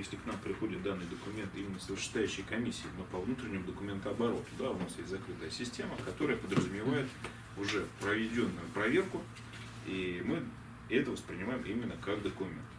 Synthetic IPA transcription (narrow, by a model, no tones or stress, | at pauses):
jesʲlʲɪknampɾʲɪxo̞dʲɪt̪̚d̪anːɨjd̪əkʊmʲe̞nt̪imʲɪnːəsəvʲɪrʂɪ̥st̪aʉɕːɪjkɐmʲisʲːɪːnopɐvnut̪ɾʲɪnʲɪmʊd̪əkʊmʲe̞nt̪ʊɐbɐɾo̞t̪ʊd̪aʊnasjesʲtʲzɐkɾɨt̪əjəsʲɪsʲtʲe̞məkɐt̪o̞ɾəjəpəd̪ɾəzʊmʲɪvajɪt̪ | ʊʐɛpɾəvʲɪdʲonːʊjʊpɾɐvʲe̞rkʊ | imɨ | ɛt̪əvəspɾʲɪnʲɪmajɪmʔimʲɪnːəkakd̪əkʊmʲe̞nt̪